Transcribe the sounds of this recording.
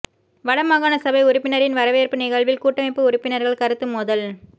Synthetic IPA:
ʋɐɽɐmaːɣaːnɐsɐbɐɪʊɾʊpːɪnɐɾɪnʋɐɾɐʋeːɾpɯnɪɣɐɭʋɪlkuːʈːɐmɐɪpːɯʊɾʊpːɪnɐɾɣɐɭkɐɾɯt̪ːɯmːʊðɐl

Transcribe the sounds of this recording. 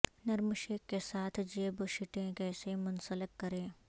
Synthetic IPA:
nɐɾmʊʃeːkːesaːt̪ʰd͡ʒeːboʃɪʈẽkɛːsemʊnsələkːɐɾẽː

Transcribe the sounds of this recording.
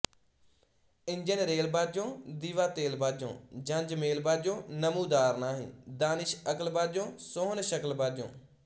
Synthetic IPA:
ɪɲd͡ʒənɾeːlbaːd͡ʒõːd̪iːʋaːt̪eːlbaːd͡ʒõ̰ːd͡ʒə̃ɲd͡ʒmeːlbaːd͡ʒõːnəmũːd̪aːɾnaːɦḭ̃ːd̪aːnɪʃəkəlbaːd͡ʒõːsoːnʃəkəlbaːd͡ʒõ̰ː

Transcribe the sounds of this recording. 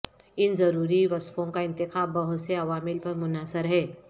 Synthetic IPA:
ɪnzɐɾuːɾiʋɐskõkaɪnt̪ɪkʰabəɦʊt̪seɐʋaːmɪlpəɾmʊnaːsəɾɦɛː

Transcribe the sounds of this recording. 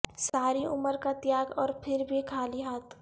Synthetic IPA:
saːɾiʊməɾkat̪jaːɡɔːɾpʰɪɾbʱikʰaːliɦaːt̪

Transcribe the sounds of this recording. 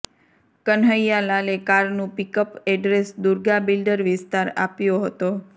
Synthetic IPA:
kənɦəjalalekaɾnũpikəpɛɖɾesd̪uɾɡabilɖəɾʋɪst̪aɾapjoɦət̪o

